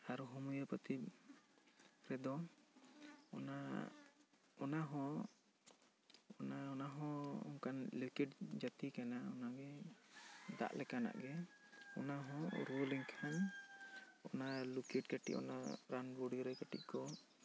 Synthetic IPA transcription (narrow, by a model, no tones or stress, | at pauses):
aɾuɦumujəpət̪ʰib̚ | ɾɛd̪ɔ | ɔna | ɔnaɦɔ̃ | ɔnaɔnaɦɔ̃ɔ̰ŋkanlukiʈd͡ʒat̪ikanaɔnaɡɛ | d̪a̰ʔlɛkana̰ʔɡɛ | ɔnaɦɔ̃ɾoliŋkʰan | ɔnalukiʈkaʈḭʔɔ̰na̰ɾanbuɖɡɾɛkaʈḭʔkɔ